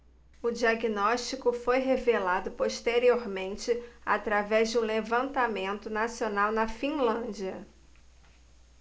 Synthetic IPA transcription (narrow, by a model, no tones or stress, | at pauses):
ʊd͡ʒiaɡinɔʃt͡ʃikʊfojɦevelad̪ʊpoʃt̪eɾioɾmẽnt͡ʃɪa̰t̪ɾavɛzd͡ʒɪũlevɐ̃nt̪amẽnt̪ʊnasionawnɐfĩlɐ̃d͡ʒiɐ